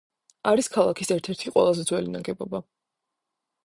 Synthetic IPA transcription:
aɾiskʰalˠakʰisɛɾt̪ʰɛɾt̪ʰiqʼwɛ̰lˠazɛd̪zwɛlinaɡɛbɔba

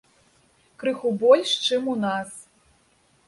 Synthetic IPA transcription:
kɾɨxubɔlʲʂt͡ʂɨmunas

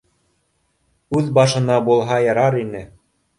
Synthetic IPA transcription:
ʉðbɑʃɤ̆nɑbulˠɦɑjɤ̆ɾɑɾinɘ

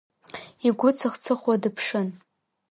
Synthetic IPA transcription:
iɡʷʊt͡sʰɨχt͡sʰɨχwadɨpʰʂɨn

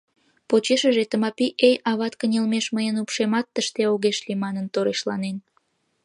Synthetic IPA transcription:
pot͡ɕeʃəʒet̪əmɑpiʔejɑβɑt̪kənʲelmeʃməjənupʃemɑt̪ːəʃt̪eoɣeʃlimɑnənt̪oɾeʃlɑ̰nen

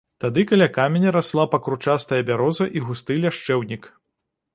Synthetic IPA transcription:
t̪ad̪ɨkalʲakamʲenʲɐɾaslˠapɐkɾut͡ʂast̪ɐjɐbʲaɾɔzɐʔiɣust̪ɨlʲaʂt͡ʂɛwnʲik

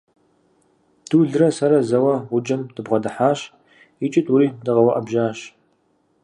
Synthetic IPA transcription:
d̥uɮrɐsɐɾɐzɐwɐwʊd͡ʒʼɐmdɨbʁɐdɨħaːɕ | it͡ʃʼɪtʰuɾiːdɨʁɐwɐʔɐbʒaːɕ

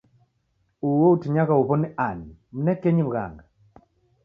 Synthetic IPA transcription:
uwoutiɲakaupɔnianm̩nɛkeɲibɡa̰ŋɡa

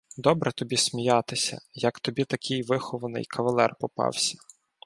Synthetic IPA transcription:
d̪ɔbɾɛt̪ɔbʲisʲmʲijɑt̪ɪsʲɐ̰jɐkt̪ɔbʲit̪ɐkʲʰɪjʋɪxɔʋɐnɪ̰jkʰɐʋɐlˠɛrpɔpɑ̰wsʲɐ̥

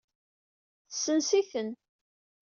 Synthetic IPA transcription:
θə̥sːənsiθən

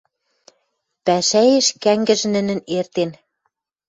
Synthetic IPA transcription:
pæʃæjeʃkæŋɡɘ̆ʒ̆nɘ̆nɘ̆nert̪en

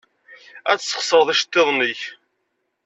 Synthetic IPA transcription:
æt͡ssːə̥χsˤəɾðˤæʃt̪ːeðˤniç

